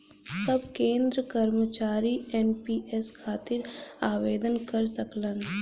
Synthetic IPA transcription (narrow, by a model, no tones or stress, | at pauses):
sɐbkẽːnd̪ɾəkɐɾmət͡ʃaːɾiɛːnpiːʔɛskʰaːt̪ɪɾaːʋeːd̪ənkɐɾsɐklən